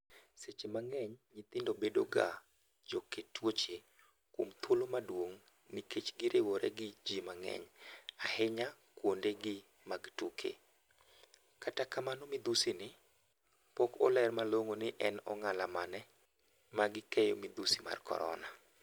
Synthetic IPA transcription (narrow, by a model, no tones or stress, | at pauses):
set͡ʃemaŋɛɲɲɪt̪ɪndobedoɡa̰ | d͡ʒoketwot͡ʃe | kwomt̪ʰolomadwoŋ | nɪket͡ʃɡɪɾʔewoɾeɡɪd͡ʒimaŋɛ̰ɲahɪɲa | kwondeɡɪ | maɡtukʰḛ | katakamanomɪd̪usinɪ | pɔkɔlɛrmaloŋonɪʔɛnɔŋalamanɛ | maɡɪkɛjomɪd̪usima̰rkʰɔ̰ɾɔ̰na